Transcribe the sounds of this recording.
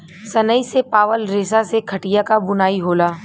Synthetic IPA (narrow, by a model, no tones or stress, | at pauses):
sɐnəisepaːʋəlɾeːsasekʰɐʈijakabʊnaːiɦoːlaː